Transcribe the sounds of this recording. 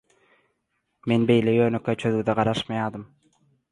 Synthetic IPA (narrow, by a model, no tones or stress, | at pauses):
me̞nbejlejøːnykːet͡ʃʰøðyd̪æʁɑɾɑʃmɑjɑːd̪ɯm